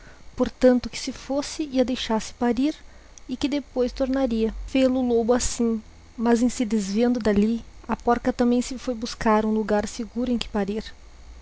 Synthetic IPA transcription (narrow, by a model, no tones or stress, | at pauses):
poɾt̪ɐ̃nt̪ʊkɪ̥sɪfosɪiɐd̪ejʃasɪ̥paɾiɾ | ɪkɪd̪epojst̪oɾnaɾiɐvelʊlobʊasĩ | mɐzẽsɪd̪ɪzviẽnd̪ʊd̪aliɐpɔɾkɐt̪ɐ̃mbẽj̃sɪfojbuskaɾũluɡaɾseɡuɾʊẽj̃kɪ̥paɾiɾ